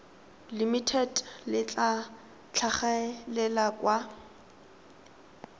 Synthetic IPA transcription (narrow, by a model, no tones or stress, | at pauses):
limitʰɛtlɪt͡ɬʼa | t͡ɬʰaχalɛlakʼwa